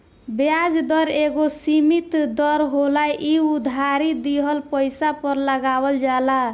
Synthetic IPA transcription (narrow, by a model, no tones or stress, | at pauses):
bjad͡ʒd̪ʌɾeɡosimit̪d̪ʌɾɦolajʔiud̪ʱaɾid̪iɦəlpəjsapəɾləɡabəld͡ʒala